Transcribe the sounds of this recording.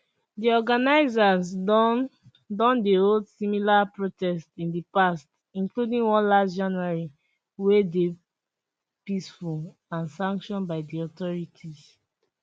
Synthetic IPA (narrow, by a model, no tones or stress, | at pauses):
diɔɡanaɪzaz | dɔ̃ndeɹodsimilapɹotɛstĩndipast | ĩnkludĩŋwɔ̃nlasd͡ʒãnuaɹi | wede | pisfu | ãnsãŋkʃɔ̃nbaɪdiɔtɔɹitʰiz